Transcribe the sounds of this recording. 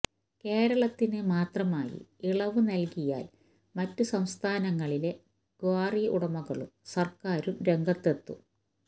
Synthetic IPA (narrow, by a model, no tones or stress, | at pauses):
ke̞ːɾɐɭɐt̪ːinɨmaːt̪rɐmaːjḭiɭɐʋɨnɐlkija̰ːl | mɐtːusɐmst̪ʰaːnɐŋːɐɭile̞ | ɡ̥waːriṵɽɐmɐɣɐɭṵmsɐrkaːɾumɾe̞ŋɡɐt̪ːe̞t̪ːu